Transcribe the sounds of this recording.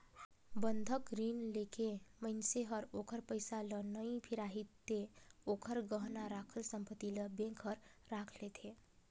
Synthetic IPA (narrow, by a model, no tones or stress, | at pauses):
bənd̪ʱəkɾinlekʰeməɪnseɦəɾokʰəɾpəjsalənəipʰiɾaɦit̪ːeokʰəɾɡəɦnaɾakʰəlsəmpət̪iləbẽŋkɦəɾːakʰlet̪ʰe